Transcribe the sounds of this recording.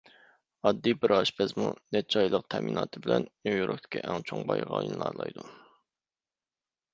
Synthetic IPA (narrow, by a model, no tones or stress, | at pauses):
ɑd̪ːibɪɾɑʃbɛzmunɛt͡ʃʰɑjlˠəq̚t̪ʰɛmʔinɑːt̪ʰɨbɪlɛnnojoɾʔok̚t̪ʰɪ̥kʲʰiʔɛŋt͡ʃʰoŋbɑjʁɑjunlˠɑɾlˠɑjd̪u